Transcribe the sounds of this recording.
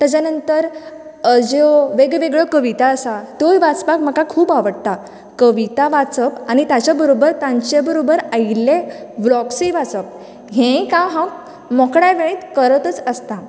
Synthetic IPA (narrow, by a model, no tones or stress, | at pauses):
t̪jat͡ɕjanənt̪əɾəd͡ʑoʋeɡʋeɡɭəkəʋit̪aəsat̪ojʋat͡spakm̤əkakʰuːbaʋəɽt̪a | kəʋit̪aʋat͡səpañit̪jat͡ɕjabəɾobəɾt̪ãɲt͡ɕebəɾobəɾaileʋɭɔkseʋat͡səp̚ | ɦẽkãɦãk | mɔkɽajʋeɭiːt̪kəɾət̪ət͡səst̪a